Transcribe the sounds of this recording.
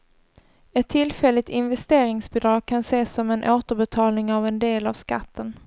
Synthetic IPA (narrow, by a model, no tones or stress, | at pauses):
ɛt̪ʰːɪlfɛlːɪt̪ɪnvɛst̪eːɾɪŋsbɪd̪ɾɑːɡ̚kʰanseːsɔmɛnʔoːt̪əɾbɛt̪ʰɑːlnɪŋavɛnd̪eːlavska̰t̪ʰːən